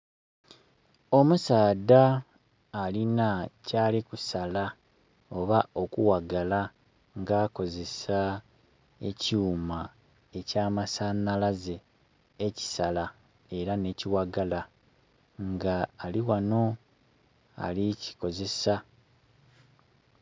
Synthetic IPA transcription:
o̞musaːdaː | linacaːlikusala | o̞βao̞kuwaɡala | ŋɡaːko̞ze̞sa | ḛcuːma | e̞caːmasanalaze̞ː | ci̥sala | e̞ɾane̞ciwaɡala | ŋɡaːliwano̞ | a̰lici̥ko̞ze̞sa

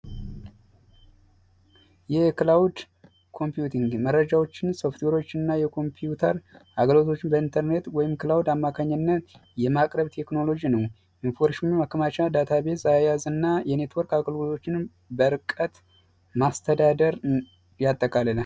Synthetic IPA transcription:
jɛklawd̪ | kʰo̞mpjut̪ʰiŋɡmərːəd͡ʒawo̞t͡ʃːɪnso̞ft̪we̞ɾo̞t͡ʃːɪɨnːajɛkʰo̞mpʰijut̪ʰəɾaɡəlo̞t̪ʰo̞t͡ʃːɪnbəint̪ʰəɾne̞t̪wɔjɪmkɨlawd̪amːakʰaɲːənːət̪jɛmakʼɾəβt̪ʰe̞kno̞lo̞d͡ʒinəw | ʔinfo̞ɾʃumumakːəmat͡ʃad̪at̪ʰaβe̞t̪zajajazɨnːajɛne̞t̪ʰwɔɾkaɡəlɡulo̞t͡ʃːɪn | bəɾɨkʼət̪ | mast̪ʰəd̪ad̪əɾ | jat̪ʼːəkʼalələ

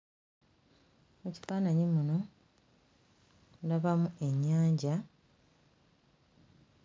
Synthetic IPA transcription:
eci̥faːnaɲimuno̞ | daβamue̞ɲːaːɲɟa

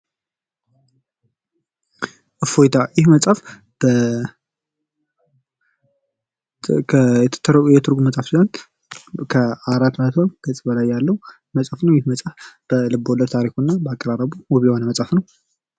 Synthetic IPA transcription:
ʔɨfojt̪ʰajɪhmət͡sʼaf | b̥ə | ɛt̪ʰt̪ʰːəɾjɛt̪ʰɨɾɡuməsʼafsuzant̪ | kʰəaɾat̪ːmət̪ʰoɡ̥ət͡sʼbəlajːalːəwu | məsʼafnəwjɪhməsʼafb̥əlɨbːoləd̪t̪ʰaɾikunːabəakʼəɾaɾəβuwɔβihonəmət͡sʼafnəw

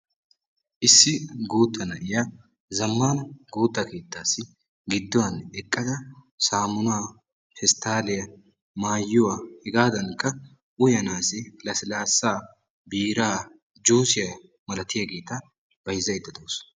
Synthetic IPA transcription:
ʔɪsːɪɡuːt̪ːɐnɐʔɪja | zɐmːaːnɐɡuːt̪ːɐke̞ːt̪ːaːsːɪ | ɡɪd̪ːɔwɐnɛkʼːɐd̪ɐ | saːmʊnaː | fɛst̪aːlɪjɐ | maːjːʊwaːhɛɡaːd̪ɐnkʼːɐ | ʔʊjɐnaːsɪlɐsɪlaːsːaː | biːɾaː | d͡ʒuːsɪjɐ | mɐlɐt̪ɪjɐɡe̞ːt̪ɐ | bɐjɪzɐjɪd̪ːɐd̪oːs

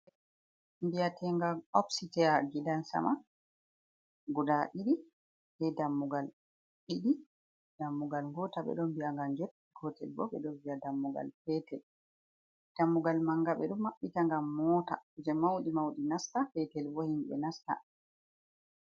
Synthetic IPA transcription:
mbiatʰɛŋɡaɔpsitɛaɡidansa̰ma | ɡudaɓiɗi | hɛdamːuɡal | ɓiɗi | damːuɡalŋɡɔtaɓɛ̰ɗɔmbijaŋɡamd͡ʒoɗiɡɔtɛlbɔ̰ɓɛ̰ɗɔnviadamːuɡa̰lfɛtɛl | d̥amːuɡalmaŋɡaɓɛɗumːaɓːitaŋɡamːɔta̰kud͡ʒɛmawɗimawɗinastafɛtɛlbɔhimɓɛ̰nasta̰

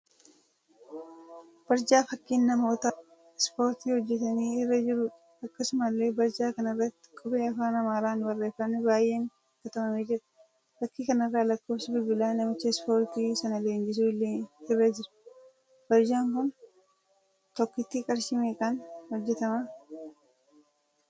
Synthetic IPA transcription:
b̥ɐɾd͡ʒaːfɐkːiːnːɐmo̞ːt̪ɐ | spo̞ːɾt̪iːhɔd͡ʒːɛt̪ɐniːɪrːɐd͡ʒɪɾʊ | ɐkːɐsʊmɐlːe̞ːbɐɾd͡ʒaːkɐnɐrːɐt̪ːɪ̥kʼʊbeːɐfaːnɐmaːɾaːnbɐrːe̞ːfːɐnːɛbaːje̞ːn | kɐt̪ɐmɐmeːd͡ʒɪɾɐ̥ | fɐkːiːkɐnɪrːaːlɐkːoːfsɐbɪbɪlaːnɐmɪt͡ʃːɐspo̞ːɾt̪iːsɐnɐleːɲd͡ʒɪs̬uːɪlːeːɪrːɐd͡ʒɪɾɐ̥ | b̥ɐɾd͡ʒaːŋkʊn | t̪ɔkːɪt̪ːikʼɐɾʃɪmeːkɐnhɔd͡ʒːɛt̪ɐma

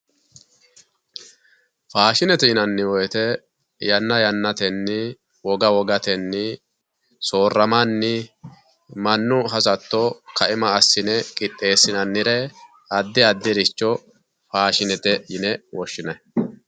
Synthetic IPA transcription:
faːʃɪnɛt̪ɛjɪnɐnːɪwɔjt̪ɛ | jɐnːɐjɐnːɐt̪ɛnːɪ | wɔɡɐwɔɡɐt̪ɛnːɪ | so̞ːrːɐmɐnːɪ | mɐnːʊɦɐzɐt̪ːɔkɐʔɪmɐːsːɪnɛkʼɪt̪ʼːe̞ːsːɪnɐnːɪɾɛ | ɐd̪ːɪɐd̪ːɪɾɪt͡ʃːɔ | faːʃɪnɛt̪ɛjɪnɛwɔʃːɪnɐ

